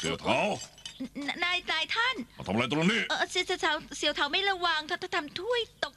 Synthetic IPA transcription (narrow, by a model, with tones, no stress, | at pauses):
sḭ˨˩˦əwt̪ʰaː˨˦w | a˧naː˧jt̪aː˧jt̪ʰa˥˩na̰˧˩t̪ʰa˧m˨˧jt̪̬ːo˧niː˥˩ʔəː˨˧˩si˧˥sʰt̪ʰaː˨˩˦wsi˨˦wt̪ʰaː˨˦wma˥˩jɾa˧wa˧ŋt̪ʰa˥˩t̪ʰa˥˩t̪ʰmt̪ʰu˥˩əjt̪o˨˩k̚